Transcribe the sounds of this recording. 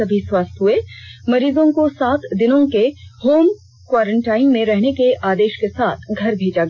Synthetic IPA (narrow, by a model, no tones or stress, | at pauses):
ɐbʱiswaːst̪ɦʊemɐɾiːzõkosaːt̪d̪ɪnõkehoːm | kwaːɾə̃ɳʈaːɪnmẽɾɛɦnekeʔaːd̪eːʃkesaːt̪ʰɡʱɐɾbʱeːd͡ʒaɡ